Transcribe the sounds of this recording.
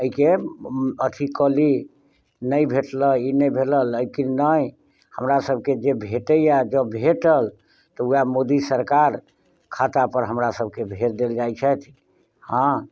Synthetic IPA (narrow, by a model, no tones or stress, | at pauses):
əɦike | ət̪ʰikəli | nəjbʱeʈləinəjbʱelələjkinnəj | həmɾasəbʱked͡ʒebʱeʈəjad͡ʒəbʱeʈəl | t̪ɔujamod̪isəɾkaɾ | kʰat̪apəɾɦəmɾasəbʱkebʱeɾd̪eld͡ʒajt͡ʃʰɛt̪ʰ | hã